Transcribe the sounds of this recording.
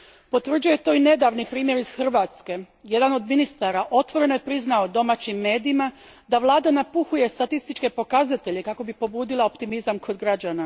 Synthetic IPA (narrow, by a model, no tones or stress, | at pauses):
po̞t̪ʋr̩d͡ʒuje̞t̪o̞ːine̞d̪aʋnipɾiːmjeɾiz̥xr̩ʋat̪ske̞ | je̞d̪ano̞d̪minist̪aːɾaʔo̞t̪ʋo̞ɾe̞nojepɾiznaod̪o̞maːt͡ɕimːe̞ːd̪iːma | d̪aʋlˠaːd̪anapuxuje̞st̪at̪ist̪it͡ʃke̞po̞kazat̪e̞ʎe̞kako̞bipo̞buːd̪ilˠao̞pt̪imizamkʰo̞d̪ɡɾad͡ʑaːna